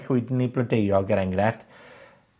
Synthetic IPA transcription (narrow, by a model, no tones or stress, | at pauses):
ɬʊɨdn̩iblədejɔɡəɾaŋɾɛft